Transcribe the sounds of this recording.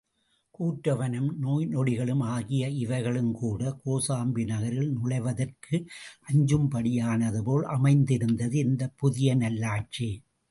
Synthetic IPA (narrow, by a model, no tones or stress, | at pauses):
kuːʈɾɐʋɐnɐmnoːjnɔɽɪɣɐɭɯmaːɣɪjɐɪʋɐɪɣɐɭɯmkuːɽɐkoːsaːmbɪnɐɣɐɾɪlnʊɭɐɪʋɐðɐrkʰɯʔɐɲd͡ʒɯmpɐɽɪjaːnɐðɯpoːlʔɐmɐɪnd̪ɪɾɯnd̪ɐðɯɪnd̪ɐpːʊðɪjɐnɐlːaːʈ̚t͡ʃi